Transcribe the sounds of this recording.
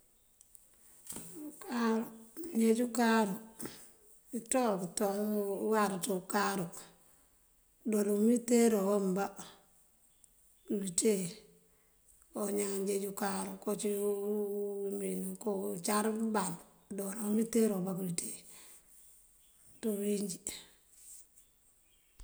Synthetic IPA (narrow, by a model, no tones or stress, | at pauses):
kaɾoɲd͡ʒed͡ʒukaɾo | itokitowaɾtukaɾo | doɾomitːeɾowomba | kuite | oɲaŋɲd͡ʒed͡ʒukaɾokot͡ʃi | minkot͡ʃaɾban | doɾomiteɾobakuite | towiɲd͡ʒi